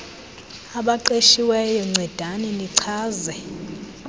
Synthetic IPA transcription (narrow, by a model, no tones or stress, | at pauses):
aɓaǃeʃiwɛjɔŋ͡ǀʱɛd̥ʱanɛniǀʰaːzɛ